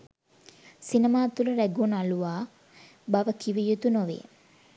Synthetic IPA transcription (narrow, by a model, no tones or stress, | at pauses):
sinəmaːt̪uləɾæɡunaluʋaː | baʋəkʰiʋijut̪unoʋḛː